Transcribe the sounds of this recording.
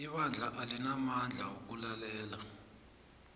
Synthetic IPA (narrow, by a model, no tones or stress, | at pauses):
iɓand͡ɮʱaʔalinamand͡ɮʱawok̬ʼulalɛːla